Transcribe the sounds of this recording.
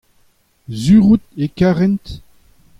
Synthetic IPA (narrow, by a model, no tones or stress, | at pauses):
zyːʁut̪ekaʁɛnt̪